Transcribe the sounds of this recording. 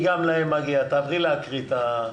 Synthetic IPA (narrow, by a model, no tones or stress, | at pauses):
ɡamlaemaɡiat̪avʁilaːkʁit̪a